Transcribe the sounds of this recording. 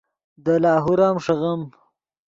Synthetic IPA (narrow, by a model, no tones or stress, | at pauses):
d̪əlɑːɦuɾaːmʂɐɣɐm